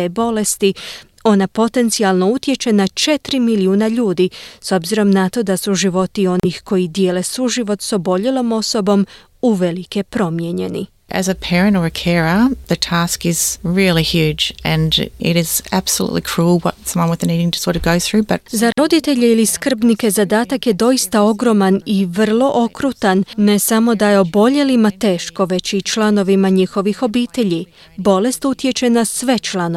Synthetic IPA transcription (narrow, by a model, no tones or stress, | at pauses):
ebo̞le̞st̪i | o̞napo̞t̪e̞nt̪sialˠno̞ut̪je̞t͡ʃe̞nat͡ʃe̞t̪ɾimiliuːnaʎuːd̪iso̞bziɾo̞mnat̪o̞d̪asuʒiʋo̞t̪io̞nixko̞jid̪jeːle̞suʒiʋo̞t̪so̞bo̞ʎelo̞mo̞so̞bo̞m | uʋe̞like̞pɾo̞mjeɲe̞nḭ | ʔɨ̰zɨpʰɛɹɨ̃ntə˞ɨkʰɛɹəðɨtʰæskɪzɹilˠihjʉd͡ʒɨ̃nɪ̰ɾɪz̥æb̥səlˠṵʔˡlḭkʰɹ̥ulˠwʌ̰tsʌ̃mwʌ̃nwɨðniɾɪ̃ŋtʰɨ̥sɔɾɨɡoʊθɹʉbʌt̚zaɾo̞d̪it̪e̞ʎeiliskr̩bnike̞zad̪aːt̪akje̞d̪o̞ist̪ao̞ɡɾo̞maniʋr̩lˠo̞ʔo̞kɾut̪anːe̞samo̞d̪ajeo̞bo̞ʎe̞limat̪e̞ːʃko̞ʋe̞t͡ɕit͡ʃlˠano̞ʋimaɲixo̞ʋixo̞biːt̪e̞ʎi | bo̞le̞st̪ut̪je̞t͡ʃe̞nasʋe̞t͡ʃlano